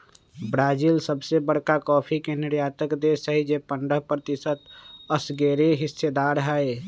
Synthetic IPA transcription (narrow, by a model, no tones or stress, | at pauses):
bɾaːd͡ʒiːlsəbsebəɽ̤kakɔːpʰikenɪɾjaːt̪əkd̪eːsəɦid͡ʒeːpə̃ɳɖəɦpɾət̪ɪsət̪əsɡeːɾeɦɪsːed̪aːɾɦɛe